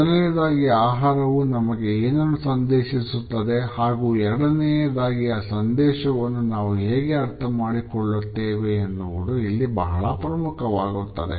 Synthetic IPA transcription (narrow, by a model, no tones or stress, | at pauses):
nejɐd̪aːɡiaːɦaːɾɐʋunɐmɐɡe̞eːnonːɐsɐnd̪ɛːʃisut̪ːɐd̪e̞haːɡuːɛɾɐɽɐnejɐd̪aːɡiɐsɐnd̪ɛːʃɐʋɐnːunaːʋuɦeːɡe̞ɐɾt̪ʰɐmaːɽikɔɭːut̪ːeːʋeːnːuʋuɽuilːibɐɦɐɭɐpɾɐmukʰɐʋaːɡut̪ːɐd̪ḛ